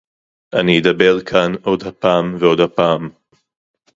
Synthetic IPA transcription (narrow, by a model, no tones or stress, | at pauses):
ʔaniːd̪abeʁkʰanʔo̞d̪hapaːmveo̞d̪hapaːm